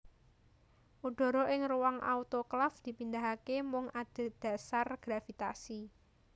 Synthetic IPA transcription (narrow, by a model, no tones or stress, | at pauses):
ʔud̥ɔ̤ɾɔʔɪŋruwaŋʔa̰ut̪oklafd̪̥i̤pind̪aɦakemʊŋad̪̥e̤d̪̥a̤sarɡ̥ɾafit̪asi